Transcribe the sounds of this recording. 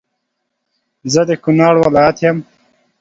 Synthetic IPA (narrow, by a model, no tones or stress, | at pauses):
zəd̪ekunɑːɽwalɑjat̪jam